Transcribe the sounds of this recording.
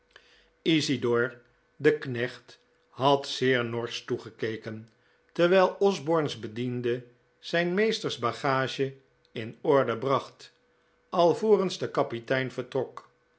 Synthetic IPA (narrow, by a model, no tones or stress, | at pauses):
izidɔɹ | dəknɛχt | ɦɑtsɪːɹnɔɹstuχəkejkən | tɛɹʋɛjlˠɔzbɔɹnzbədində | z̥ɛjnmejstəɹzbɑχaːʒə | ɪnɔɹdəbrɑχt | ɑlˠvoːrənzdəkɑpitɛjnvəɹtrɔk